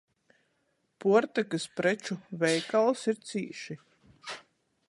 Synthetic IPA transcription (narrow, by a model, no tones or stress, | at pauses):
puɔɾt̪akɨspɾɛt͡ʃuvɛjkalˠsiɾt̪siːʃi